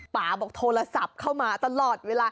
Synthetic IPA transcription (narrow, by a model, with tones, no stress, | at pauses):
paː˨˩bɔː˨˩k̚t̪ʰoː˧la˧sa˨˩p̚kʰa˥˩wmaː˧t̪a˧lɔː˨˩t̪̚weː˧laː˧